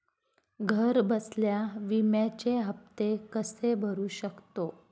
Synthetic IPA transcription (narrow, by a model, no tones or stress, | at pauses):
ɡʱəɾbəsljaʋimjat͡ɕeɦəft̪ekəsebʱəɾuːɕəkt̪o